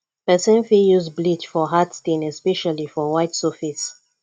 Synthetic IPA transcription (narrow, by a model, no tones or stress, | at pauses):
pɛsə̃nfijuzblitfɔɦatstĩnɛspɛʃalifɔwaɪtsɔfis